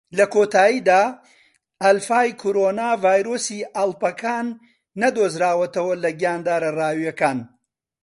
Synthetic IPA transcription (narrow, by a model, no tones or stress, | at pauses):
lɐkoːt̪aːjiːd̪aː | ɐlfaːjkʰoɾoːnaːvaːjɾoːsiːʔɐlˠpɐkʰaːnː | ɐd̪oːzɾaːwɐt̪ɐwɐlɐɡijaːnd̪aːɾɐraːwijɐkaːn